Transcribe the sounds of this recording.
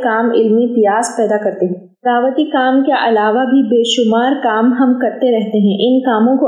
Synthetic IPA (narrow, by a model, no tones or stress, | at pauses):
kaːmɪlmip̪ijaːspɛːd̪akɐɾt̪eɦɛ̃ː | pɾaːʋət̪ikaːmkeʔɐlaːʋabʱibeːʃʊmaːɾkaːmɦɐmkɐɾt̪eɾɛɦt̪eɦɛ̃ʔɪnkaːmõko